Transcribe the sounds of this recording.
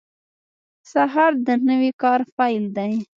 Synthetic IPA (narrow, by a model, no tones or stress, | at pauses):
saɦɑɾd̪ənəwikɑɾfɑjld̪aj